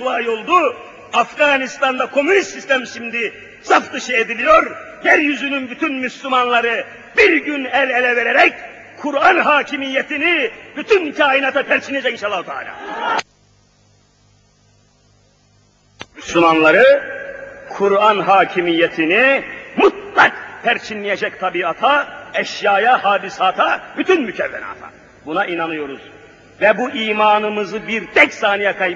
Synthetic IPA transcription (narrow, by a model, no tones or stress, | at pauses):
uaːjo̞lˠd̪u | afɡanist̪ʰand̪akʰo̞mynist̪ːist̪ʰæmʃimd̪i | safd̪ɯʃɯed̪ilʲijoɾ | jæɾjyzynynbyt̪ʰynmyslʲumanlˠaɾɯ | biɾɟynælʲelʲɛveɾɛɾɛc̚ | kʰːuɾanɦaːcʰimijːet̪ʰinib̥yt̪ʰyncʰaːinat̪ʰapʰæɾt͡ʃʰined͡ʒɛinʃalːˠahut̪ʰa̰ːlʲa̰ː | mysumanlˠaɾɯ | kʰuɾanɦaːcʰimijːɛt̪ʰinimut̪̚lˠak̚pʰæɾt͡ʃʰinlijed͡ʒɛct̪ʰabiːat̪ʰaɛʃjaːjahaːd̪isaːt̪ʰabyt̪ʰynmycʰɛvːɛ̰na̰ːt̪ʰa̰ | bunaʔinanɯjo̞ɾuz̥ | vɛbuʔiːmaːnɯmɯzɯbiɾd̪ɛcsaːnijakʰaj